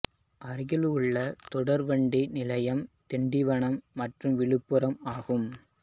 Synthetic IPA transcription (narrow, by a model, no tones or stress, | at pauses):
ʔɐɾɪɣɐlɯɭːɐt̪ɔɽɐɾʋɐɳɖinɪlɐjɐmt̪ɛɳɖɪʋɐɳɐmːɐʈrɯmʋɪɭɯpːɯɾɐmaːɣɯm